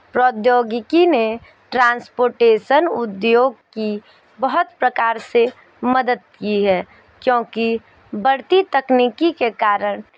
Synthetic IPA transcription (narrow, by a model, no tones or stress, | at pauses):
pɾɔːd̪joːɡɪkine | ʈɾãːnspoːɾʈeːʃənʊd̪joːɡki | bəɦʊt̪pɾəkaːɾse | məd̪əd̪̚kiɦɛː | kjõːki | bəɽt̪it̪ɐkniːkikekaːɾəɽ̃